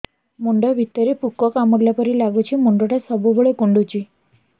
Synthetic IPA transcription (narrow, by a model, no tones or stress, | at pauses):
moɳɖəjʋʱit̪ːəɾepukːɔkaməɡ̪ljapəɾiːlaɡut͡ɕiːmoɳɖoʈjasəbubəɭekuɳɖut͡ɕiː